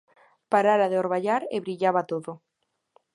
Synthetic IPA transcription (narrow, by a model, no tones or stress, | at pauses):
paɾaɾaðeoɾβaʎaɾḛβɾiʎaβat̪oðʊ